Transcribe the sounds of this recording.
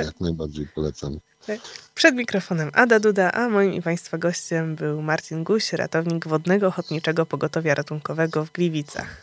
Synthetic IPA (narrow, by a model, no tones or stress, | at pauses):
jaknajbaɾd͡ʑejpɔlɛt̪sam | pʂɛd̪mʲikɾɔfɔnɛmʔad̪ad̪ud̪aʔamɔjimḭpaj̃st̪faɡɔɕt͡ɕɛmbɘwmaɾt͡ɕinɡuɕɾa̰t̪ɔvɲiɡvɔd̪nɛɡɔːxɔt̪ɲit͡ʂɛɡɔpɔɡɔt̪ɔvʲjaɾʔat̪uŋkɔvɛɡɔvɡlʲivʲit̪sa̰x